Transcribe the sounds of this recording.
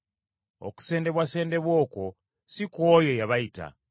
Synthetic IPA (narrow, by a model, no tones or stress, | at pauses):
o̞̰ku̥se̞ːnde̞βwase̞ːnde̞βwo̞ːko̞ | sikwo̞ːjo̞jaβajita̰